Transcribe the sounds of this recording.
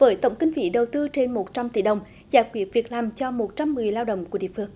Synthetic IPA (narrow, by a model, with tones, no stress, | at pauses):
vəː˨˦jt̪ə˧˩wŋ͡mkï˧ŋ̟vḭ˧˥ɗə˨˩wt̪ɨ˧t͡ɕe˧nmo˨˩t̚t͡ɕa˧mt̪ḭ˧˩ɗə˨˩wŋ͡m | zaː˧˦jkwi˨˧˦ət̚vi˨˩ək̚laː˨˩mt͡ɕɔ˧mo˨˩t̚t͡ɕa˧mːɨ˨˩əjlaː˧wɗə̰˧˨wŋ͡mku˧˩əɗḭ˧˨fɨ˧əŋ